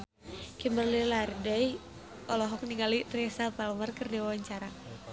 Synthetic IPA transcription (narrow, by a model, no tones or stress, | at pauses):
kimbərlilardəj | ɔlɔɦɔk̚niŋɡalirɛsapalmarkərdiwawaɲt͡ʃaɾa